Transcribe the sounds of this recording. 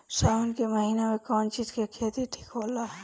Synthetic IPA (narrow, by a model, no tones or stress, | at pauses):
ʃaːnkemɐɦiːnemẽkɔːnt͡ʃiːzkiɐkʰejt̪iʈʰi̥koːla